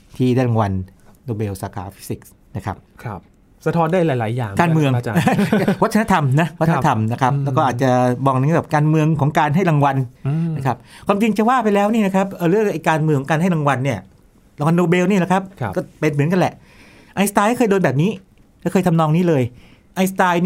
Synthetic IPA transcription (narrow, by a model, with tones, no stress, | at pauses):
t̪ʰiː˥˩da˥˩ɾa˨˧ŋwa˧nːoː˧beː˧wsaː˨˦kʰa̰ː˨˦fi˦˥si˨˩k̚ | na˦˥kʰa̰˦˥p̚ʰp̚ | sa˧t̪ʰɔː˦˥ndaː˥˩jlaː˨˦jlaː˩˦jːaː˨˩ŋkaː˧nmɯ˧əŋː˧˨˧wt̪̚ːʰna˦˥t̪ʰa˧mna˦˥wa˦t̪ʰːt̪ʰa˧mna˦˥kʰa˦˥p̚lɛː˦˥kɔː˥˩ʔaː˨˩t̪̚t͡ɕa˨˩bɔː˧˩ŋna˧ŋ˥˩bɛː˨˩p̚kaː˧nmɯ˧əŋkʰɔː˩˦ŋkaː˧nɦa˥˩jɾa˧ŋwa˧nna˥kʰa˦˥p̚kʰwaː˧mt͡ɕi˧ŋt͡ɕa˨˩waː˥˩pa˧jlɛː˦˥wniː˥˩na˦˥kʰa˦˥p̚ʔɤː˧ɾɯ˥˩əŋʔa˧jkaː˧nmɯ˧ŋkʰːɔ˨˦ka˧nɦa˥˩jɾa˧ŋwa˧nːi˥˩ɐ | ɾa˧ŋwa˧nːoː˧beː˧wniː˥˩la˨˩kʰa˦˥p̚kɔː˥˩pe˧nmɯ˩˦ənka˧nlɛ˨˩ʔ | ʔa˧jst̪aː˧jkaː˥˩ɤː˧jdoː˧nbɛː˨˩p̚niː˦˥ | kɛː˦˥˩kʰɤː˧t̪ʰmnɔː˧ŋniː˦˥˩lɤː˧j | ʔa˧jst̪aː˧jn